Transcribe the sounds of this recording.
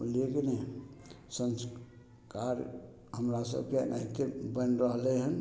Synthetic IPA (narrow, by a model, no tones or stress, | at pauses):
lekene | səns | kaɾ | ɦəmɾasə̰bkenʔa̰ɦikebənɾəɦleɦən